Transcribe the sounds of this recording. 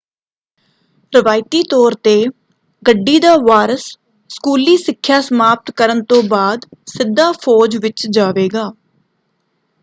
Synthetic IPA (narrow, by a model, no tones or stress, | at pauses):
ɾəʋaːɪt̪iːt̪ɔːɾt̪eː | ɡəɖːiːd̪aːʋaːɾəs | skuːliːsɪkʰːjaːsəmaːp̚t̪kəɾənt̪õːbaːd̪sɪd̪ːaːpʰɔːd͡ʒʋɪt͡ʃd͡ʒaːʋeːɡaː